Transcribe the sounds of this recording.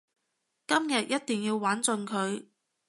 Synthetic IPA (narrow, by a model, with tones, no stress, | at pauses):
kɐ˥mjɐ˨t̚jʔɐ˥t̚t̪i˨ŋjiː˧wwaː˨˥nt͡sɵ˧nkʰɵ˨˧ɥ